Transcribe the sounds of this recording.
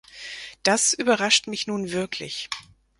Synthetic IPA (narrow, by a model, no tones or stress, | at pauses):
d̥asʔyːbɐʁaʃtmɪçnuːnvɪɐkʰlɪ̰ç